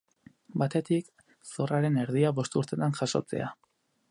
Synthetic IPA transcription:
bat̪e̞t̪ik | so̞raɾe̞ne̞ɾðiaβo̞st̪uɾt̪e̞t̪anʝaʃo̞̰t͡se̞̰a

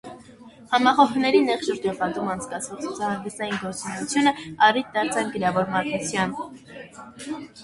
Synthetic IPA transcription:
hɑmɑχɔɦnɛɾinɛχʃəɾɔpɑd̪umɑnt͡sʰkɑt͡sʰvɔʁt͡sʰut͡sʰɑhɑnɡ̪əst̪ɑjinɡɔɾt͡sunɛjut͡sʰjunəɑrit̪̚d̪ɑɾt͡sʰɑnkəɾjɑvɔɾmɑɾt̪nut͡sʰjɑn

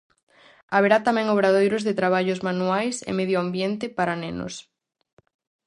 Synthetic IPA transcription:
aβeɾat̪amɛ̃ŋoβɾaðojɾʊzðet̪ɾaβ̞aʎʊzmanuajsḛmeðjoambjent̪ɪpaɾaneno̰s

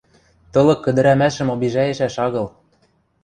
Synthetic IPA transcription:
t̪ɤ̆lɤ̆kːɘ̆d̪ɘ̆ɾæmæʃɘ̆mobiʒæjɘ̆ʃæʃɑɣɤ̆l

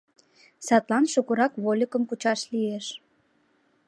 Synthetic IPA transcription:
sɑt̪lɑnʃukuɾɑkβolʲəkəmkut͡ɕɑʃlieʃ

